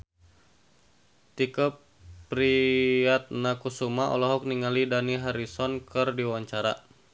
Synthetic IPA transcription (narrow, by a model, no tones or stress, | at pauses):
t̪ikəp | pɾiat̪̚nakusumaʔɔ̰lɔɦɔk̚niŋalidaniɦaɾisɔnkɨrdiwaɲt͡ʃaɾa